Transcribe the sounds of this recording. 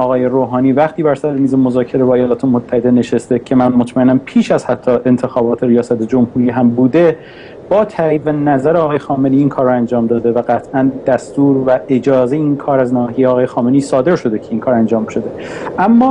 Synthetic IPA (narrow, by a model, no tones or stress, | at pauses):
ɒːɣɒːje̞ɾoːɦɒːniːvæχt̪ʰiːbæɾsæɾeniːzemozɒːcʰe̞ɾe̞bɒːejɒːlɒːt̪ʰemot̪ʰːæhe̞d̪e̞ne̞ʃest̪e̞cʰe̞mænmot̪ʰmæenæmpʰiːʃæzhæt̪ʰːɒːʔe̞nt̪ʰe̞xɒːbɒːt̪ʰeɾijɒːsæt̪ʰed͡ʒo̞mhuːɾiːɦæmbuːd̪e̞ | b̥ɒːt̪ʰæɾiːbvænæzæɾeɒːɣɒːje̞xɒːmeniːnkʰɒːɾːɔænd͡ʒɒːmd̪ɒːd̪e̞væɢæt̪ʰʔænd̪̥æst̪uːɾvæe̞d͡ʒɒːzejeinkʰɒːɾæznɒːɦiejeːɣɒːjexɒːme̞niːsɒːd̪e̞ɾʃo̞d̪e̞cʰe̞iŋnkʰɒːɾænd͡ʒɒːmʃo̞d̪e̞ʔæmːɒː